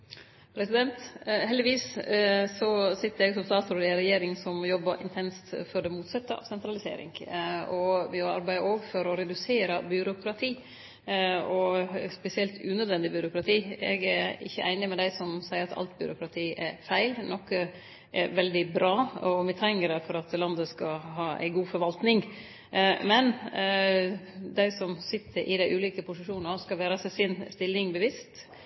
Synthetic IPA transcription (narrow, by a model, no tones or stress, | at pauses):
pʰɾɛsɪd̪ɛnt̪hɛld̪ɪʋiːssɔsɪt̪ːəɾɛɡsɔmst̪ɑːt̪sɔɾɪɛɾɛjeːɾɪŋsɔmjɔbːɑʔɪ̰nt̪ʰɛnst̪fɔɖɛmuːt̪sɑt̪ːəɑ̰ːʋsɛnt̪ɾɑlɪsḛːɾɪ̰ŋɔmɔɑ̰ɾbæɪʔoːɡfɔɾɔɾɛd̪ʉseːɾɑbʏɾʊkʰɾɑt̪ʰiː | ɔspɛsɪɛlt̪ʰʉːnœd̪ʋɛnd̪ɪbʏɾʊkɾɑt̪ʰiːɛ̰ɡæɪ̰çːəʔæɪnɪmɛd̪æɪsɔmsæɪəɾɑt̪ʰɑ̰lt̪bʏ̰ɾʊkʰɾɑt̪ʰiːɛɾfæɪlnɔkːə | ʔɛɾʋɛld̪ɪbɾɑːɔɔmɪt̪ʰæŋːəɾɛfɔɾɑt̪lɑnd̪əskɑɦɑːæ̰ɪɡuːfɔɾʋɑlt̪nɪŋ | mɛn | d̪æɪsɔmsɪt̪ʰːəɾʔɪ̰d̪æɪʔʉːliːkəpʰʊsɪʂuːnnɑskɑlʋæːɾɑsɛsɪnst̪ɪlːɪŋbəʋɪst̪